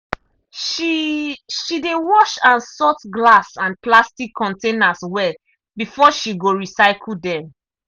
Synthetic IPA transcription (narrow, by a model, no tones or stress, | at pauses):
ʃidewɔʃãnsɔtɡlasãnplastikʰːɔ̃ntẽnaswɛl | bifɔʃiɡoɹisaɪkʰl̩dɛ